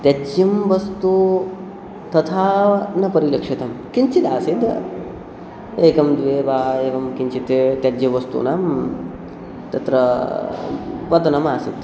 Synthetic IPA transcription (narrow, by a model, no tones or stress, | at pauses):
t̪ed͡ʒjɐmʋɐst̪u | t̪ɐt̪ʰaːnɐpɐɾilɐkʂit̪ɐmkiɲt͡ʃit̪aːsit̪ | eːkɐmd̪ʋeːʋaːeːʋɐmkiɲt͡ʃit̪t̪ed͡ʒjɐʋɐst̪ṵnaːm | t̪ɐt̪ɾɐ | ʋɐt̪ɐnɐmaːsid̪